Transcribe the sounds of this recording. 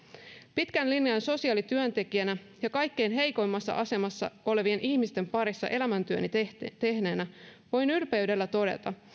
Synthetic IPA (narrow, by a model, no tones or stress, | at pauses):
pit̪kænlinjɑnso̞siɑːlit̪yønt̪e̞kiænæ | jɑkɑjkːe̞jnɦe̞jko̞jmːɑsːɑ̰ʔɑse̞mɑsːɑ̰ʔo̞le̞ʋie̞nʔihmist̪e̞mpɑɾisːɑ̰ʔe̞læmænt̪yønit̪e̞hneːnæʋo̞jnylpe̞ɥde̞lːæt̪o̞de̞̰t̪ɑ